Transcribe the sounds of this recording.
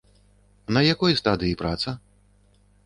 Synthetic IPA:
nɐjakɔjst̪ad̪ɨipɾat̪sɐ

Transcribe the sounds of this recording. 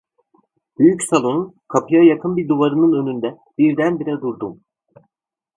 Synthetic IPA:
b̥yjycsalˠo̞n | kʰapʰɯjajakʰɯnbiɾd̪uvaɾɯnɯnø̞nynd̪ɛ | b̥iɾd̪ænbiɾɛd̪uɾd̪um

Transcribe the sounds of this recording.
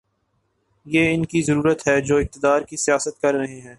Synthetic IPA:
jeːɪnkizɐɾuːɾət̪ɦɛd͡ʒoːɪk̚t̪ɪd̪aːɾkisijaːsət̪̚kɐɾːɐɦeɦɛ̃ː

